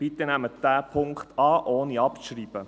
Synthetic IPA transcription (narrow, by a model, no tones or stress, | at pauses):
b̥it̪ːənæməd̥æːpʰʊŋkχt̪ɑːʔoːniɑpʃɾiːb̥ə